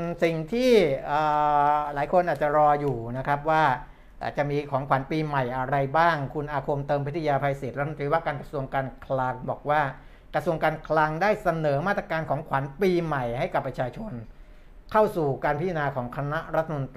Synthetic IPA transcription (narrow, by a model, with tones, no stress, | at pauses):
si˨˩ŋt̪ʰiː˥˩ʔəː˨˩laː˩˦jkʰo˧nʔaː˨˩t͡ɕa˨˩ɾɔː˧juː˨˩na˦˥kʰɾa˦˥p̬̚waː˥˩ | ʔa̰ː˨˩t͡ɕa˨˩miː˧kʰɔː˩˦ŋkʰwa˩˦npiː˧ma˨˩jʔa˧ɾa˧jbaː˥˩ŋkʰu˧nʔaː˧kʰo˧mt̪ɤː˧mpi˦˥t̪ʰːjaː˧pʰaː˧jsi˨˩t̪̚ɾa˦˥˧t̪iː˧waː˥˩kaː˧nkɾa˧su˧əŋkaː˧nkʰla˧ŋbɔ̰ː˨˩k̚waː˥˩ | kɾa˧su˧əŋkaː˧nkʰla˧ŋdaː˥˩jsa˧nɤː˩˦maː˥˩t̪ːɾa˧kaː˧nkʰɔː˩˦ŋkʰwa˩˦npiː˧ma˨˩jha˥˩jka˨˩pːɾa˧˥t͡ɕʰaː˧t͡ɕʰo˧n | kʰa˥˩wsuː˨˩kaː˧npʰi˦˥t̪ʰa˧naː˧kʰɔː˩˦ŋkʰa˧na˦˥ɾa˦˥t̪ʰːa˧mo˧nt̪ː